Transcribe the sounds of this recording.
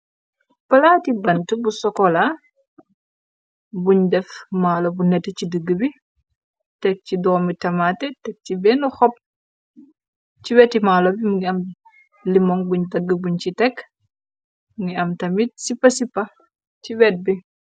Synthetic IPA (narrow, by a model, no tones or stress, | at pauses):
pɐlaːtibɐntəbusɔkɔla | buɲdɛfmaːlobunɛtːət͡ʃidəɡːəbi | tɛk̚cidɔːmitɐmatɛtɛk̚cibɛːnuxɔp̚ | ciwɛtːimaːlobimuŋɡiɐm | limɔŋbuɲdɐɡːəbuɲcitɛk | muŋɡiɐmtɐmisipːɐsipːɐ | ciwɛːt̚bi